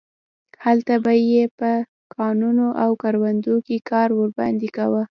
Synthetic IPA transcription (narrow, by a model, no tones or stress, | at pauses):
halt̪abajepə | kɑnunoʔawkɑɾwand̪okekɑɾwəɾbɑ̰nd̪ikawə